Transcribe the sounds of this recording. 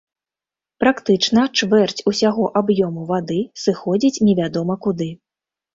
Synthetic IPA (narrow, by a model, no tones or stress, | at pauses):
pɾakt̪ɨt͡ʂnɐt͡ʂvɛrt͡sʲusʲaɣɔʔabjɔmuvad̪ɨsɨxɔd͡zʲit͡sʲnʲɛvʲad̪ɔmɐkud̪ɨ